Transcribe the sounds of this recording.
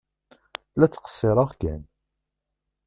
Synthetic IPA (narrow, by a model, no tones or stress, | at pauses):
læt͡sːqə̥sːɪɾˤəʁɡæn